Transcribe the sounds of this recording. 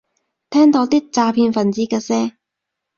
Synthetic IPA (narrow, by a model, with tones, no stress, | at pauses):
t̪ʰɛː˥ŋt̪o˨˧˥wt̪iː˥k̚t͡saː˧pʰiː˧nfɐ˨˩nt͡siː˨˥kɛː˧sɛː˥